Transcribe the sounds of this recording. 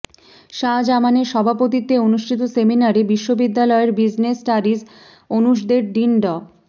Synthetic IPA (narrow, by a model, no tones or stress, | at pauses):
ʃad͡ʑamaneʃɔbʱapot̪it̪eonuʃʈʰit̪̬oseminaɾebiʃːobid̪ːalɔeɾbid͡ʑnesʈaɾid͡ʑ | onuʃd̪eɾɖ̪inɖɔ